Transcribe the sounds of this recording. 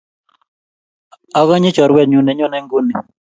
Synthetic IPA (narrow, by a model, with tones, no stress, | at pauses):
a˦ka˦ɲɪ˦t͡ʃɔ˨ɾwɛ˦˨dɲu˨nɛ˨ɲɔ˦nɛ˦ŋɡu˦ni˨